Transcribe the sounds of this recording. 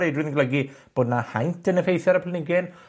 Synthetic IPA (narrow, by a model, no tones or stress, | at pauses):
ejdwɨðə̃ŋɡləɡib̥oːdnahajntʰənəfejθɛɾəpʰlənɪɡɪn